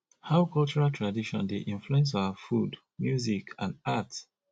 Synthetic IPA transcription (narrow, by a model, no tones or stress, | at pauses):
haʊkɔlt͡ʃuɹaltʰɹadiʃɔ̰̃ndeʔĩɱfluɛ̃ns̬aʊafud | mjuzikʰã̰ndats